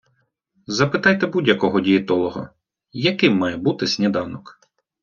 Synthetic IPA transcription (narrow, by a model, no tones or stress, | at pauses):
zɐpɪt̪ɑjt̪ɛbudʲjɐkɔɦɔdʲijɪt̪ɔlˠɔɦɔ̰ | jɐkɪmːɑjɛbut̪ɪsʲnʲɛd̪ɑwnɔk